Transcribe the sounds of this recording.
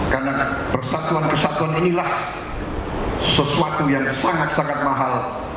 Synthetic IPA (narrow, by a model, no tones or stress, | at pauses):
kanapərsat̪uanpərsat̪uaninilah | səsuat̪ujaŋsaŋat̪̚saŋat̪̚maɦal